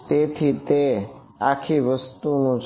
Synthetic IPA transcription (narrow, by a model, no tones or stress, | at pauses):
t̪et̪ʰit̪e | akʰiʋəst̪unũd͡ʒ